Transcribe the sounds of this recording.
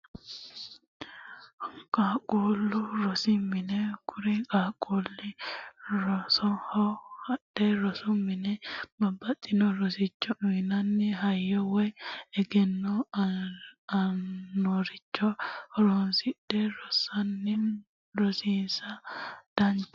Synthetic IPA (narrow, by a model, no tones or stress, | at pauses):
kʼaːkʼuːlːʊɾɔsimːɪnɛkʰʊɾikʼaːkʼuːlːɪ | ɾɔsɔhɔhɐɗeɾɔsʊmːɪnɛbɐbːɐt̪ʼːɪnɔɾɔsɪt͡ʃːɔʔʊnɐnːɪɦɐjːɔwɛɛɡɛnːɔ | nɔɾɪt͡ʃːɔɔɾoːnsɪɗɛɾɔsɐnːɪ | ɾɔsiːnsɐd̪̥ɐn